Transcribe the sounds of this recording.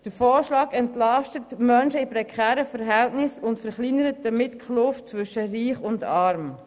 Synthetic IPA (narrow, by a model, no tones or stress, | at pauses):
d̥əɾfɔːɾʃlɑːɡɛntlɑʃtətmœnʃəɪpɾɛkʰχɛːɾəfəɾɦɛltnɪsʊntfəɾχlinəɾətəmɪtkʰχlʊftt͡svʏʃəɾiːχʊndɑɾm